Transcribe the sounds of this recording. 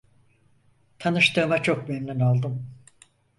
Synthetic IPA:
t̪ʰanɯʃt̪ɯːmat͡ʃʰo̞k̚bennɛnalˠd̪ɯm

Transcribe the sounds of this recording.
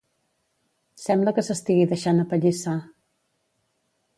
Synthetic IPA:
sɛmbləkəsəst̪iɣiðəʃanəpəʎisa

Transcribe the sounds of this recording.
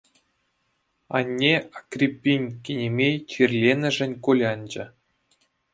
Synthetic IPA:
ɑ̰nʲːeakrʲipʲːinʲkʲenʲemʲejt͡ɕirʲlʲenʲɘ̆ʐɘ̆nʲkulʲɑnʲd͡ʑɘ̆

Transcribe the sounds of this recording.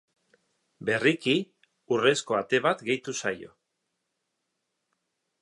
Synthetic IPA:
be̞riki | ure̞sko̞at̪e̞βat̪ɡe̞jt̪usajo̞̰

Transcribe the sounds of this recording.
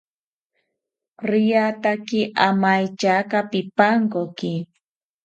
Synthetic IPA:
ɾɪjat̪akɪʔamajt͡ʃakapɪpaŋkokɪ

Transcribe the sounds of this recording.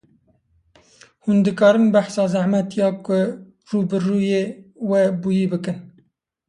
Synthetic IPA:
hund̪ɨkɑːɾɨmbæħsɑːzæhmɛt̪jɑːkʊ | ruːbɨruːjeːwɛbuːjiːbɨkɨn

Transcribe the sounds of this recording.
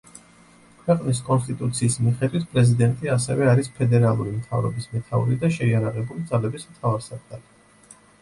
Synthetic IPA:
kʰwɛqʼnis̬kʼɔnst̪ʼit̪ʼut̪sʰiːsmiχɛd̪wit̪ʰpʼɾɛzid̪ɛnt̪ʼiasɛ̰vɛaɾispʰɛd̪ɛɾalˠuɾimt̪ʰa̰vɾɔ̰bismɛt̪ʰauɾid̪aʃɛiaɾaʁɛbulid̪zalɛbismt̪ʰavaɾsakɡat̪

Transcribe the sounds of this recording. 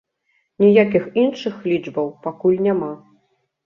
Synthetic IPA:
nʲijakʲixinʂɨxlʲid͡ʐbɐwpakulʲnʲama

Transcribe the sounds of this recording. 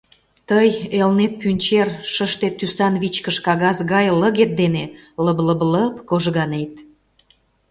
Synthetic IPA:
t̪əjelnet̪̚pynʲt͡ɕerʃəʃt̪et̪ːysɑnβit͡ɕkəʃkɑɣɑzɣɑjləɣet̪̚d̪eneləbləbləpkoʒɣɑnet̪̚

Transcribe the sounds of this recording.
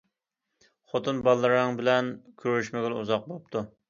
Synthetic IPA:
χot̪ʰɨnbɑlˠːəɾɨŋbɪlɛnkʲʰøɾyʃmɪɡʲɪluzɑq̚bopt̪ʰu

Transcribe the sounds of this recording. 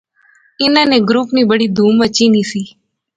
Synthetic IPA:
ɪnãneɡɾuːpniːbəɽiːd̪ʱuːmət͡ʃiniːsiː

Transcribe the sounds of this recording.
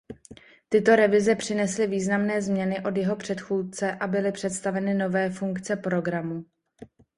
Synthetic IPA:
t̪ɪt̪o̞ɾɛvɪzɛpr̥ɪnɛslɪviːznamnɛːzmɲɛnɪʔo̞d̪jɛɦo̞pr̝̥ɛt̪xuːt̪̚t͡sɛʔabɪlɪpr̝̥ɛt̪st̪avɛnɪno̞vɛːfuŋkt͡sɛpɾo̞ɡɾamu

